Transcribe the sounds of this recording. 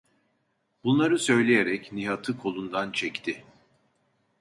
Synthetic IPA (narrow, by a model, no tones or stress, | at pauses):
b̥unlˠaɾɯsø̞jlʲejeɾɛcniɦat̪ʰɯkʰo̞lˠund̪ant͡ʃʰɛct̪ʰɪ